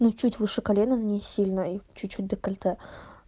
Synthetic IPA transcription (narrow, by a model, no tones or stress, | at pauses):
nut͡ɕutʲvɨʂɨkɐlʲenɨnnʲesʲilʲnəit͡ɕʊt͡ɕːut̚ʲd̪əkɐlʲt̪ɛ